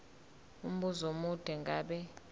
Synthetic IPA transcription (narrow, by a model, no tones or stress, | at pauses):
um̩ɓuzomud̥ʱɛŋɡʱaːɓɛ